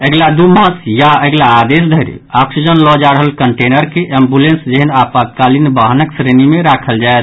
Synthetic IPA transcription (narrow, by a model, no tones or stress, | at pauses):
əɡlad̪uməsjaəɡlaːd̪es̬d̪ʱəiɾḭɔksid͡ʒənlɔd͡ʒaɾəɦəlkəɳʈenəɾkeʔembulẽnsd͡ʒeɦənapat̪̚kalinbaɦnəksɾenimeɾakʰəld͡ʒaet̪